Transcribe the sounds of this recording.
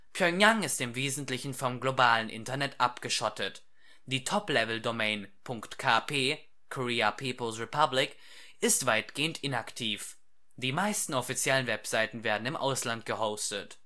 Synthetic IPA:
pʰjɔjaŋɪstɪmveːzn̩tlɪçn̩fɔmɡlobaːlənʔɪ̰ntɐnɛtʔapɡ̥əʃɔtət | d̥iːtʰɔplɛvl̩domɛɪnpʰʊŋktkʰaːpʰeː | kʰoʁiːapʰiːpl̩sʁɛpʰablɪk | ɪstv̥aɪtɡ̥eːəntʔɪnaktʰiːf | d̥iːmaɪstn̩ɔfit͡sjɛlənvɛpz̥aɪtn̩veːɐdn̩ɪmʔa̰ʊslant̚ɡ̥əhoʊstət

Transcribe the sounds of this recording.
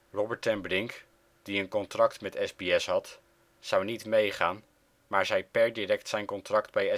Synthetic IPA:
rɔbəɹtɛnbrɪŋk | d̥iənkɔntrɑktmɛtɛzbiɛsɦɑt | z̥ɑwnitmejχaːn | maːɹzɛjpɛɹdirɛktsɛjnkɔntrɑktbɛjɛ

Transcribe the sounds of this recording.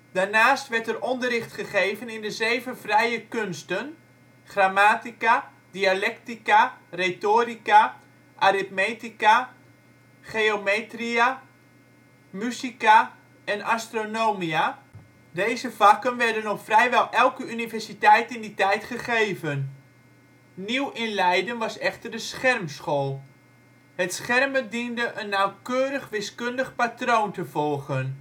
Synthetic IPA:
d̥aɹnaːstʋɛɹtərɔndərɪχtχəχejvənɪndəzejvəvrɛjəkønstən | χramaːtika | dialɛktikaretoːrika | ʔaɾɪt̚meːtika | χeomeːtria | mysika | ɛnastronowmia | dejzəvakənʋɛrdənɔxfrɛjʋɛlˠʔɛlˠkəynivɛrsitɛjtɪnditɛjtχəχeːvən | niwɪnlɛjdənʋɑsɛxtərdəsχɛrmsxoːlˠ | hətsχɛrmədindəʔənːawkøːɾəχʋɪskøndəxpatrowntəvɔlˠɣən

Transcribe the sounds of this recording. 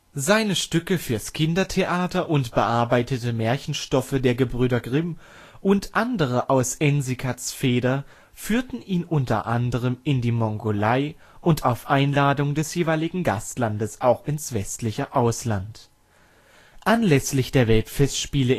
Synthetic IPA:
zaɪnəʃtʏkəfyːɐskʰɪndɐtʰeʔaːtɐʔʊntb̥əʔaɐbaɪtətəmɛːɐçn̩ʃtɔfədeːɐɡəbʁyːɾɐɡʁɪm | ʔʊntʔandəʁ̞əʔaʊsɛnzikʰasfeːdɐ | fyːɐtn̩ʔiːnʔʊntɐ̰ʔandəʁ̞əmʔɪndiːmɔŋɡolaɪ | ʔʊntʰaʊfʔaɪnlaːdʊŋdɛsjeːvaɪlɪɡŋ̩ɡa̰stlandəsʔaʊxɪnsv̥ɛstlɪçəʔaʊslant | ʔanlɛslɪçd̥eːɐvɛltfɛstʃpiːlə

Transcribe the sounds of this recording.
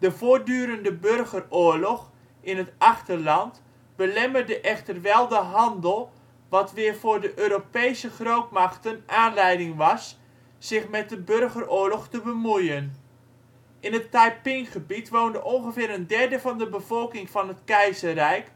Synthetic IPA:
d̥əvoːdyːɾəndəbørχərʊːɹlɔχ | ɪnɦətɑχtərlɑnt | b̥əlɛmərdəʔɛχtərʋɛlˠdəɦɑndəlˠ | ʋɑtʋɪːɹvʊːɹdəʔøːɾopejsəχrowtmɑχtənʔaːnlɛjdɪŋʋɑsː | ɪχmɛt̚dəbørχərʊːɹlɔχtəbəmujən | ʔɪnətːajpɪŋχəbitʋowndəʔɔŋχəvɪːɾəndɛɹdəvɑndəbəv̥ɔlˠkɪŋvɑnɦətkɛjzərɛjk

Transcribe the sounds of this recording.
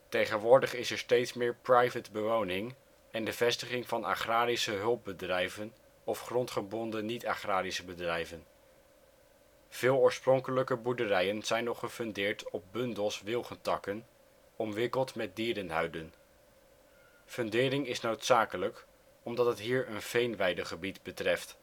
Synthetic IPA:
tejχənʋʊːɹdəχɪsɛɹstejtsmɪːɹprɑjvədbəʋownɪŋ | ɛndəv̥ɛstəχɪŋvɑna̰χraːɾisəɦɵlˠp̚bədrɛjvən | ɔfχrɔntχəbɔndənitaχraːɾisəbədrɛjvən | v̥ɪːlˠʊːɹsprɔŋkələkəbuɹdərɛjənz̥ɛjnɔχəfndɪːɹtɔp̚bɵndəlˠsʋɪlˠχəntɑkən | ɔmʋɪkəlˠtmɛt̚diːɾənɦœ̰ɥdən | fɵndɪːɾɪŋɪsnowtsaːkələk | ɔmdɑtətɦiːɹənfejnʋɛjdəχəbitbətrɛft

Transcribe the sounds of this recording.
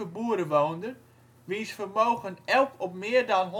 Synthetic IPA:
əbuːəɾəʋoːndər | ʋinsfərmoːɣənɛlˠkɔpmɪːərdɔnɦ

